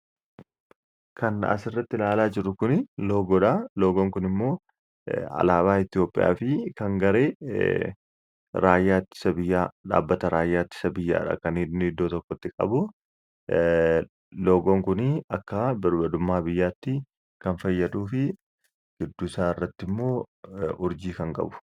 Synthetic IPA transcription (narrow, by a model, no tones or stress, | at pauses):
kɐnɐ̰sɪrːɐt̪ːɪlaːlaːd͡ʒɪɾʊkʊnɪlo̞ːɡɔᶑaloːɡoŋkʊnɪmːo̞ː | ɐ̰laːbaːɪt̪ɪjo̞ːpʼːɪ̰ja̰ːfɪkɐŋɡɐɾe̞ː | ɾaːjːaːt̪ːɪ̥sɐbɪjːaːᶑa̰ːbːɐt̪ɐɾaːjːaːt̪ːɪ̥sɐbɪjːa̰ːᶑɐ̰kɐnɪnɪd̪ːoːt̪ɔkːɔt̪ːɪkʼɐ̰bʊ | loːɡoːŋkʊnɪɐkːɐbɐɾbɐd̪ʊmːaːbɪjːaːt̪ːɪ | kɐnfɐjːɐd̪uːfɪ | ɡ̥ɪd̪ːʊsaːɪrːɐt̪ːɪmːo̞ːʊɾd͡ʒiːkɐŋkʼɐ̰bʊ̥